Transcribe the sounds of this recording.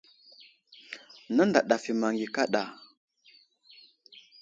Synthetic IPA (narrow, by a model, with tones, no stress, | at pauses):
na˦nda˨ɗa˨fi˨ma˨ŋɡi˨ka˦ɗa˨